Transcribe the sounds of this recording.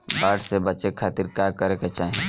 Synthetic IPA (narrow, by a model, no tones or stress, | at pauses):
baːʈsebət͡ʃekʰaːt̪iɾkaːkəɾeket͡ʃaːɦẽ